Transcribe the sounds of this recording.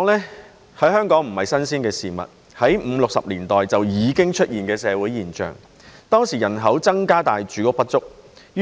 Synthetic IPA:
lɛː˥ | hɐ˨˥jhœː˥ŋkɔː˨˥ŋm̩˨˩hɐ˨jsɐ˥nsiː˥nkɛː˧siː˨mɐ̰˨t̚ | hɐ˨˥jm̩ː˨˧lʊ˨k̚sɐ˨p̚liː˨˩nt̪ɔː˨jt͡sɐ˨wjiː˨˧kɪ˥ŋt͡ʃʰɵ˥t̚jiː˨nkɛː˧sɛː˨˧wuː˨˥jiː˨˩nt͡ʃœ̰ː˨ŋ | t̪ɔː˥ŋsiː˨˩jɐ˨˩nɦɐ˨˥wt͡sɐ˥ŋkaː˥t̪aː˨jt͡ʃyː˨˥kɔː˥pɐ˥t̚t͡sʊ˥k̚ː

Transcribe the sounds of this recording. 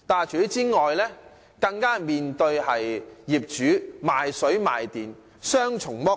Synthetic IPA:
t̪aː˨˩jt͡ʃʰyː˨˥t͡siː˥ŋɔː˨jlɛː˥ | kɐ˧ŋkaː˥miː˨nt̪ɵ˧ɥhɐ˨jjiː˨p̚t͡ʃyː˨˥maː˨jsɵ˨˥ɥma̰ː˨jt̪iː˨n | sœː˥ŋt͡ʃʰʊ˨˩ŋmɔ˥

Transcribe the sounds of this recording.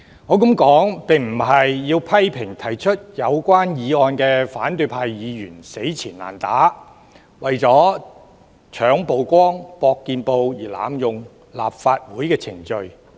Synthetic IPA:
ŋɔː˨˥k̬ɐ˨˥mkɔː˨˥ŋpɪ˨ŋm̩˨˩ɦɐ˨jːiː˧wpʰɐ˥jpʰɪ˨˩ŋt̪ʰɐ˨˩jt͡ʃʰɵ˥t̚jɐ˨˧wkʷwaː˥njiː˨˧ɔː˧nkɛː˧faː˨˥nt̪ɵ˧ɥpʰaː˧jjiː˨˧jyː˨˩nse˨˥jt͡sʰiː˨˩nla̰ː˨˩nt̪a̰ː˨˥ | wɐ˨jt͡sɔː˨˥ | t͡ʃʰœː˨˥ŋpo˨˧wkʷɔː˥ŋpɔː˧kːiː˧npo˧wjiː˨˩la̰ː˨mjʊ˨ŋ | la̰ː˨p̚faː˧t̚wuː˨˥jkɛː˧t͡sʰɪ˨˩ŋt͡ʃɵ˨ɥ

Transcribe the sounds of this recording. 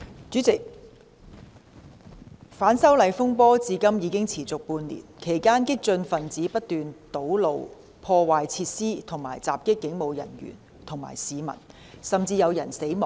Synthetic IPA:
t͡ʃyː˨˥t͡sɪ˨k̚ | faː˨˥nsɐ˥wlɐ˨˧jfʊ˥ŋpɔː˥t͡siː˨˧kɐ˥mjiː˨˧˥kɪ˥ŋt͡sʰiː˨˩t͡sʊ˨k̚puː˧nlḭː˨˩nkʰe˨˩jkaː˥nkɪ˥k̚t͡sɵ˧nfɐ˨˩nt͡siː˨˥pɐ˥t̚t̪yː˨nt̪o˨˥wlo˨w | pʰɔː˧waː˨jt͡sʰiː˧t̚siː˥t̪ʰʊ˨˩ŋma̰ː˨˩jt͡sa̰ː˨p̚kɪ˥kːɪ˨˥ŋmo˨˧wjɐ̰˨˩nɥy̰ː˨˩n | t̪ʰʊ˨˩ŋma̰ː˨˩jsiː˨˧mɐ̰˨˩n | sɐ˨mt͡siː˧jɐ˨˧wjɐ˨˩nse˨˥jmɔː˨˩

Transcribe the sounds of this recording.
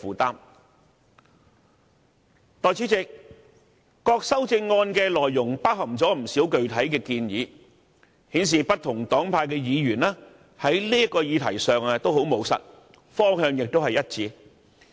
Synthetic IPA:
fuː˨˩t̪aː˥m | t̪ɔː˨jt͡sʰiː˨˥t͡sɪ˨k̚ | kɔː˧k̚sɐ˥wt͡sɪ˧ŋːɔː˧nkɛː˧lɔː˨˩jːʊ˨˩ŋpaː˥k̚hɐ˨˩mt͡sɔː˨˥m̩˨˩siː˨˥wkɵ˨ɥt̪ʰɐ˨˥jkɛː˧kiː˧njiː˨˧ | hiː˨˥ns̬iː˨pɐ˥t̚t̪ʰʊ˨˩ŋt̪ɔː˨˥ŋpʰaː˧jkɛː˧jiː˨˧jyː˨˩naː˥ | hɐ˨˥jliː˥jɐ˥kɔː˧jiː˨˧t̪ʰɐ˨˩jsœː˨ŋɛ˧t̪o˥wɦo˨˥wmo˨˧˥wsɐ̰˨t̚ | fɔː˥ŋhœː˧ŋjɪ˨k̚t̪o˥hɐ˨jɐ˥t̚t͡siː˨˧

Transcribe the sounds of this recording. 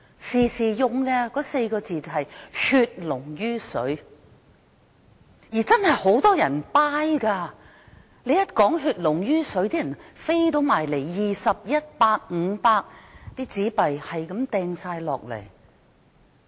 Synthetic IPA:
siː˨˩siː˨jʊ˨ŋkɛː˧kɔː˨˥se˧jkɔː˧t͡siː˨t͡sɐ˨˩ɦɐ˨jhyː˧t̚lʊ˨˩ŋjyː˥sɵ˨˥ɥ | jiː˨˩t͡sɐ˥nhɐ˨jho˨˥wt̪ɔː˥jɐ˨˩npaː˥jkaː˧ | le˨˧jɐ˥t̚kɔː˨˥ŋɦyː˧t̚lʊ˨˩ŋjyː˥sɵ˨˥ɥt̪iː˥jɐ˨˩nfe˥jt̪̬o˨˧wmaː˨˩jle˨˩jjiː˨sɐ˨p̚jɐ˥t̚paː˧k̚ŋ̩˨˧paː˧k̚t̪iː˥t͡siː˨˥pɐ˨jhɐ˨jkɐ˨˧˥mt̪ɛː˧ŋsaː˧jlɔ̰ː˨k̚lḛ˨˩j

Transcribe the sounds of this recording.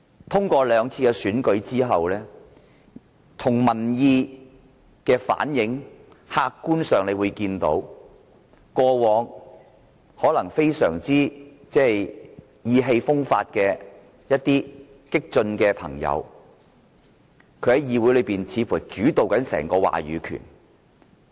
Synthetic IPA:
t̪ʰʊ˥ŋkʷɔː˧lœː˨˧ŋt͡sʰiː˧kɛ˧syː˨˥nkɵ˨˥ɥt͡siː˥ɦɐ˨wlɛː˥ | t̪ʰʊ˨˩ŋmɐ˨˩njiː˧ | kɛː˧fa̰ː˨˥njɪ˨˥ŋ | haː˧kːuː˥nsœː˨ŋle˨˧wuː˨˧jkiː˧nt̪o̰˨˥w | kɔː˧wɔː˨˧ŋ | hɔː˨˥lɐ˨˩ŋfe˥jsœ̰ː˨˩ŋt͡siː˥ | t͡sɛː˥˨j | jiː˨˧ɦe˧jfʊ˥ŋfa̰ː˧t̚kɛː˧ | jɐ˥t̚t̪iː˥ | kɪ˥k̚t͡ʃɵ˧nkɛː˧pʰɐ˨˩ŋjɐ̰˨˧w | kʰɵ˨˧ɥhɐ˨˥jiː˨˧wuː˨˥jlɵ˨˧jpiː˨nt͡sʰiː˨˧fuː˨˩t͡ʃyː˨˥t̪o˨wkɐ˨˥nsɛ̰ː˨˩ŋkɔː˧wa̰ː˨˩ɥyː˨˧kʰy̰˨˩n

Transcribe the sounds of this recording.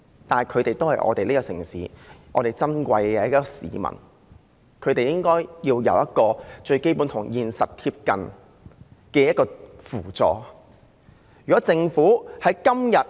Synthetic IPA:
t̪aː˨n˨jkʰɵ˨˧ɥt̪e˨jt̪o˥whɐ˨jʔɔ̰ː˨˧t̪e˨liː˥kɔ˧sɪ̰˨˩ŋsḭː˨˥ʔɔː˨˧ɾe˨jt͡sɐ˥nkʷɐ˧jɛː˧jɐ˥kɔ˧sḭː˨˧mɐ̰˨˩n | kʰɵ˨˧t̪e˨jɪ˥ŋkɔː˥jjiː˧wjɐ̰˨˧wjɐ˥t̚kɔː˧t͡ʃɵ˧ɥke˥jpuː˨˥nt̪ʰʊ˨˩ŋjiː˨nsɐ˨t̚t̪ʰi˧p̚kɐ˨n | kɛː˧jɐ˥t̚kɔː˧fuː˨˩t͡sɔ̰ː˨˩ | jyː˨˩kɔː˨˥t͡sɪ˧ŋfuː˨˥hɐ˨˥jkɐ˥mjɐ˨t̚

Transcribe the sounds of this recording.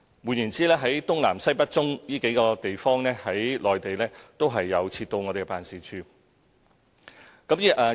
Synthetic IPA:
mwuː˨˧njiː˨˩nt͡siː˨˥lɛː˥ɦɐ˨˥jt̪ʊ˥ŋlaː˨˩msɐ˥jpɐ˥t̚t͡sʊ˥ŋjiː˥ke˨˥jkɔː˧t̪e˨jfɔː˥ŋnɛː˥hɐ˨˥jlɔː˨jt̪e˨jlɛː˥t̪o˥wɦɐ˨jːɐ˨˧wt͡sʰiː˧t̚t̪ːo˧wŋɔː˨˧de˨˩kɛ˥paː˨˧nsiː˨t͡ʃʰyː˨˧ | kɐ˨˥mjiː˥ʔɛː˧

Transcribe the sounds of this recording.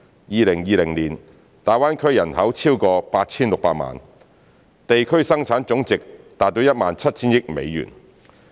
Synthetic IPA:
jiː˨˧lɪ˨˩ŋjiː˨˧lɪ˨˩ŋliː˨˩n | t̪aː˨˩waː˥nkʰɵ˥ɥjɐ˨˩nhɐ˨˥wt͡sʰiː˥wkɔː˧paː˧t̚t͡sʰiː˥nlʊ˨k̚paː˧t̚ma̰ː˨n | t̪e˨jkʰɵ˥ɥsɐ˥ŋt͡sʰaː˨˥nt͡sʊ˨˥ŋt͡sɪ˨k̚t̪aː˨t̚t̪o˨˧˥wjɐ˥t̚maː˨nt͡sʰɐ˥t̚t͡sʰiː˥njɪ˥k̚mḛ˨˧jːy̰˨˩n

